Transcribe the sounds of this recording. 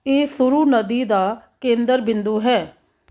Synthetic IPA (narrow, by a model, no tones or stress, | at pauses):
eːsʊɾuːnəd̪iːd̪aːkẽːnd̪əɾbɪnd̪uːɦɛː